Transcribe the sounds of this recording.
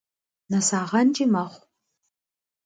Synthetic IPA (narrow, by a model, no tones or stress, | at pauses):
nɐsaːʁɐnd͡ʒimɐχʷ